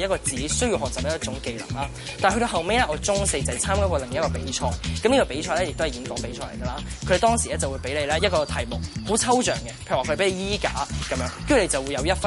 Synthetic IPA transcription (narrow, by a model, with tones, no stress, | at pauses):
jɐ˥kɔː˧t͡sːiː˨˥˦sɵ˥ɥjiː˧wɦɔː˨˩t͡sɐ˨p̚ɐ˥jɐ˥t͡ʃʊ˨˥ŋke˧jlɐ̰˨˩ŋlaː˦˥ | ta˨ɦɵ˧ɾo˧ɦɐ˨wme˥jlɛː˥ʔɔː˨˧t͡sʊ˥ŋse˧jt͡sɐ˨t͡sʰaː˥mkaː˥kɔ˧lɪ˨ŋ˨˥ɐ˥tkɔː˧pe˨˥˦jt͡ʃʰɔː˧jkɐ˨mniː˥kɔː˧pe˨˥jt͡ʃʰɔː˧jlɛ˥jɪ˨k̚t̪o˥hɐ˨˩ji˨˥nkɔː˨˥ŋpe˨˥jt͡ʃʰɔː˧jle˨˩jɡɐ˧laː˧kʰɵ˧de˨˩t̪ɔː˥ŋsi˨˩lɛː˥t͡sɐ˨wu˨˧jpe˨˥jle˨˧lɛː˥jɐ˥t̚kɔː˧t̪ʰɐ˨˩jmʊ˨˩k̚ho˨˥t͡sʰɐ˥wt͡ʃœː˨˩ŋɡɛ˧pʰeː˧˨˩kʰːpe˨˥le˨˧jiː˥kaː˨˥kɐ˨˧mjœː˨˥ŋ˥˨˧le˨˧t͡sɐ˨wuː˨˧jɐ˨˧wjɐ˥t̚f